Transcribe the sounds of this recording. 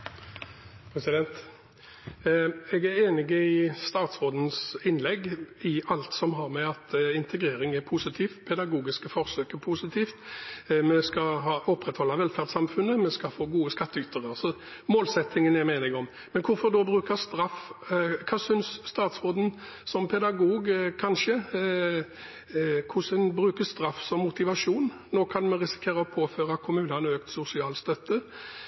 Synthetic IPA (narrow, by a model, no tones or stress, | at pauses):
pʰʁɛsɪd̪ɛnt̪ | ɛɡæɾeːnɪɡəɪst̪ɑːt̪sʁoːd̪n̩sɪnlɛɡɪʔɑlt̪sɔmɦɑʁmɛɑt̪ɪnt̪ʰəɡʁeːɾɪŋɛʁpʰusɪt̪ʰiːfpʰɛd̪ɑɡuːɡɪskəfɔʁsøːkɛpʰusɪt̪ʰiːft̪mɛskɑɦɑːʔɔpːʁɛt̪hɔlːɑʋɛlfæʁd̪sɑmfʉnːəmɛskɑfoːɡuːəskɑt̪ʰːəyt̪əʁəsɔ | moːlsɛt̪ːɪŋənɛɾmeːnɪŋɔm | mɛnkʰʊɾfɔʁd̪ɔbʁʉːkəɾst̪ɾɑfkʰɑːsʏnsːt̪ɑːt̪sʁoːd̪ən | sɔmpʰɛd̪ɑɡuːɡkʰɑnʂə | kʰʊsənbʁʉːkəst̪ɾɑfːsɔmːʊt̪ɪʋɑʂuːn | noːkʰɑnmɛɾɪsɪ̥kʰeːʁəɔpʰoːføːʁɑkʰʊmʉːnɑnøːkt̪sʊsɪɑːlst̪œt̪ːə